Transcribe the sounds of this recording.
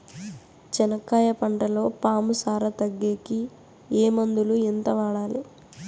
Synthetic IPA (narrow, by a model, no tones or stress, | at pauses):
t͡ʃɛnɐkːaːjɐpɐɳʈɐlo̞ːpaːmusaːɾɐt̪ɐɡːeːki | eːmɐnd̪uluint̪ɐʋaːɽaːli